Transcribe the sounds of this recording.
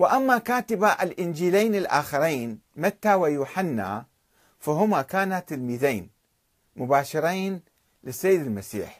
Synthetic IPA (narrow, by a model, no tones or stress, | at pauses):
wɪʔamːakaːt̪ɪbaʔalʔɪnd͡ʒiːlaːnɪlʔaːxɪɾˤiːnmat̪ːawajuːħanːa̰ | faɦʊmakaːnat̪ːɪlmiːðeːn | mʊbaːʃɪɾˤiːn | lɪsːajːɪd̪ɪlmasḭːħ